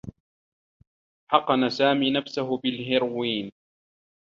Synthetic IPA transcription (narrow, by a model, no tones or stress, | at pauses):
ħɑqɑnasaːmiːnafsaɦʊbɪlɦɪɾwiːn